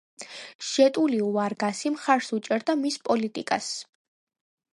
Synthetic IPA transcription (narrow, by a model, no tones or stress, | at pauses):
ʃɛt̪ʼuliuaɾɡasimχaɾsut͡ʃʼɛɾd̪amispʼɔlit̪ʼḭkʼas